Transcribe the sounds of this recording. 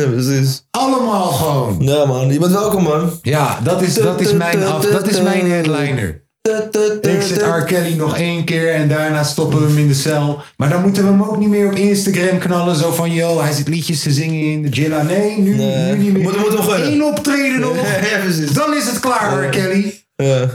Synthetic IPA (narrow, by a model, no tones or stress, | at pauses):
pəsis | ɑləmaːlˠχəʋownjamanmɛɛlˠkɔmɑnjaːdɑtɪsdɑtɪsmɛjnɑdɑtɪsmɛjɦɛdlɛjnə̰ɹ | ɪksɛtɑɹkɛlinɔχejnkɪːɹɛndaːɹnaːstɔpəʋəmɪndəsɛlˠ | maːɹdɑnmutəʋəəmowk̚nimɪːɹɔpɪnstaɡrɛmknɑlənzowfɑnjowɦɛjzɪtlicəstəzɪŋəɪndəd͡ʒɪlanejnynynimtmtɔenɔptrejdənɔəsidɑnɪsətklaːɹɹkɛli | ja